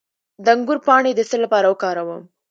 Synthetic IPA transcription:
d̪əaŋɡʊɾpɑɳed̪əsəlːapɑɾawəkɑɾawəm

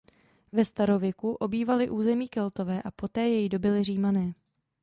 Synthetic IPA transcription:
vɛst̪aɾovjɛkuʔo̞biːvalɪʔuːzɛmiːkɛlt̪o̞vɛːʔapo̞t̪ɛːjɛjido̞bɪlɪr̝iːmanɛː

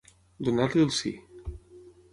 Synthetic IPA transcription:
d̪unat̪liəlˠsḭ

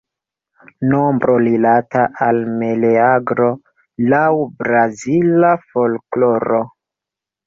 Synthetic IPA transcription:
nombɾolilataʔalmeleaɡɾo̞ | lawbɾazilafo̞lklo̞ɾo̞

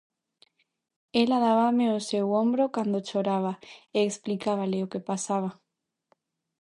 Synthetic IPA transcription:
elaðaβameosewombɾokand̪ot͡ʃoɾaβ̞aeːksplikaβalɪokepasaβa

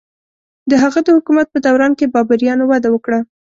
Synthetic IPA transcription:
d̪əɦaɣad̪əhʊkumat̪̚pəd̪awɾɑnkebɑbaɾjɑnowad̪awəkɽa

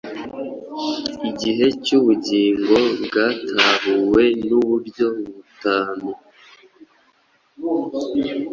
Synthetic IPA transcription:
iɟiɦe̞cuβuɟiːŋɡo̞bɡaːtʰaβuwe̞nuβuɾɟo̞ββutaːno

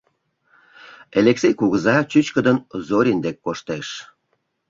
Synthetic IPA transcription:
eleksʲejkuɣəzɑt͡ɕyt͡ɕkəd̪ənzoɾʲind̪ekːoʃt̪eʃ

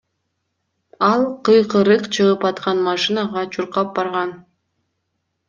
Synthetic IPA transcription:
ɑlˠqɯjqɯɾɯqt͡ʃʰɯʁɯpɑt̪qɑnmɑʃɨnɑʁɑt͡ʃʰuɾqɑp̚bɑɾʁɑn

